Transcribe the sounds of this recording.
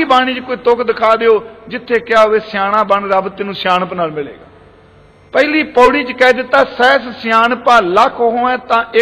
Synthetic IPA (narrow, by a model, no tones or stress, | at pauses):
iːbaːɽ̃ĩːt͡ʃkoːiːt̪ʊkʰd̪ɪkʰaːd̪eːoːd͡ʒɪt̪ʰːeːkɪaːeːsɪjaːɽãːbəɳɾəbt̪ːɪnũːsjaːnpnəlmɪlḛːɡaː | pɛːliːpɔːɽiːt͡ʃkɛːd̪ɪt̪ːaːsɛːssɪjaːnpãːləkʰoɦoːɛ̃ːt̪ãːʔe